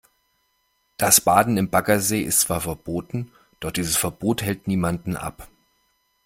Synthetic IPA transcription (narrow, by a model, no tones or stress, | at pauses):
d̥asb̥aːdn̩ɪmbakɐzeːʔɪ̰stt͡sv̥aːɐfɛɐb̥oːtn̩ | d̥ɔχd̥iːzəsfɛɐb̥oːthɛltniːmandn̩ʔa̰p